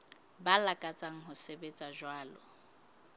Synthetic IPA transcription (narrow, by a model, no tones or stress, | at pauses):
balakʼat͡sʼaŋ̩ɦʊsebet͡sʼaʒwaːlɔ̰